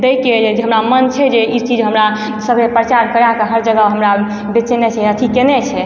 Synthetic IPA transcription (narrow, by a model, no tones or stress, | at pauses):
d̪ejked͡ʒeɦəmɾamənt͡ʃʰɛd͡ʒeit͡ʃid͡ʒɦəmɾa | səbʱepɾət͡ʃaɾkəɾakəɦəɾd͡ʒəɡəɦəmɾa | bet͡ʃɛnɛt͡ʃʰɛət̪ʰikenɛt͡ʃʰɛ